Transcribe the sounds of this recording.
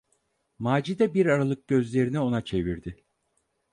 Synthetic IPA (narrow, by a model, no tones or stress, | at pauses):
maːd͡ʒid̪ɛbiɾaɾalˠɯk̚ɟø̞zlʲe̞ɾinio̞nat͡ʃʰe̞viɾd̪ɪ